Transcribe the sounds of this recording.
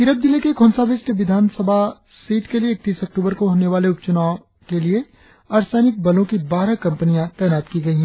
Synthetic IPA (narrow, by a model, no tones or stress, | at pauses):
kɪɾəb̚d̪ɪlikekʰonsaʋɪsʈʋɪd̪ʱaːnsəbʱa | siːt̪kelieːk̚t̪iːsɐk̚ʈuːbəɾkoɦoːneʋaːleʊpt͡ʃʊna | kelie | ɐɾsaːnɪk̚bɐlõkibaːɾakɐ̃mpənijãt̪ɛːnaːt̪kiɡɐiɦɛ̃ː